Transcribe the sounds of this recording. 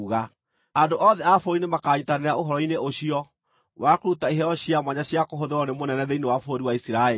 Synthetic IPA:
ɣa | andoʔɔːðɛafoɾinemakaːɲitaneɾaoɦɔɾɔineʔoɕiɔ | wakoɾutaiɦɛɔɕiamwaɲaɕiakoɦoðeɔnemonɛnɛðeinewafoɾiwaisiɾae

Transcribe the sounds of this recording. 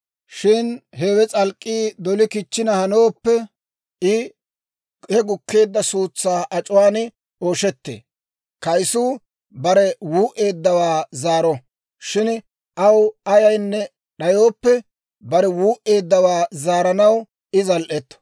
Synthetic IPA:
ʃɪnɦeːwɛt͡sʼɐlkʼːiːd̪ɔlɪkɪt͡ʃːɪnɐhɐno̞ːpːɛ | ɪ | hɛɡʊkːe̞ːd̪ːɐsuːt͡sːaːʔɐt͡ʃʼʊwaːn | oːʃɛt̪ːḛː | kɐjsuː | bɐɾɛwuːʔe̞ːd̪ːɐwaːzaːɾɔ | ʃɪn | ʔɐwɐjɐjnːɛ | ɗɐjoːpːɛ | bɐɾɛwuːʔe̞ːd̪ːɐwaːzaːɾɐnɐw | ɪzɐlʔɛt̪ːɔ̥

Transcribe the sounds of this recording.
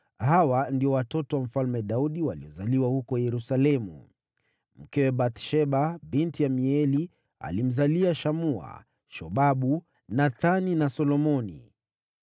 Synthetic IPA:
hawandiɔwatɔtɔwam̩falmɛɗauɗiwaliɔzaliwahukɔjɛɾusalɛmṵ | m̩kɛwɛɓat̪ʃɛɓabintijamiɛli | a̰lim̩zaliaʃamua̰ | ʃɔɓaɓu | naθaninasɔlɔmɔnḭ

